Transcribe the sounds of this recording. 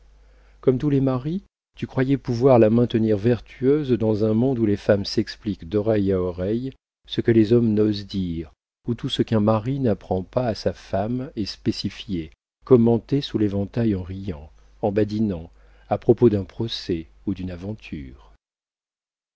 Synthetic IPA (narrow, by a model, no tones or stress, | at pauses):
kɔmt̪ulɛmaʁi | t̪ykχwajɛpuvwaʁlamɛ̃t̪əniʁvɛʁt̪ʰyøzd̪ɑ̃zɛ̃mɔ̃d̪ulefamsɛksplikd̪ɔʁɛjaɔʁɛj | səkəlezɔmnozd̪iʁ | ut̪usəkɛ̃maʁinapχɑ̃paːsafamɛspesifje | kɔmɑ̃t̪esulevɑ̃t̪ajɑ̃ʁijɑ̃ | ɑ̃bad̪inɑ̃ | apχɔpod̪ɛ̃pχɔsɛ | ud̪ynavɑ̃t̪ʰyːʁ